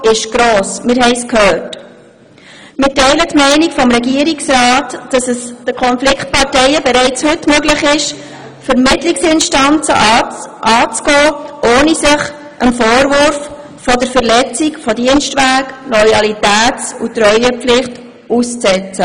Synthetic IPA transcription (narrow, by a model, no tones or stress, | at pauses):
ɪʃɡ̥ɾoːsmɪɾɦɛɪskʰhøːt | mɪtɛɪlətmɛɪnikfɔmɾɛɡiəɾiksɾɑːtːɑsəsd̥əkʰɔnflɪkχt̚pɑrtɛɪəbɛɾɛɪt͡shɵtmøɡləχɪʃ | fəɾmɪtliksɪnʃtɑnt͡sə̰ʔɑʔɑːt͡sɡɔːʔoːnisɪχ | ʔəmfoːɾvʊɾf | fɔdəɾfəɾlɛt͡sikfɔdiənstʋæːknɔjɑlitæːt͡sṵtɾœʏəpflɪχt | ust͡sɛt͡sə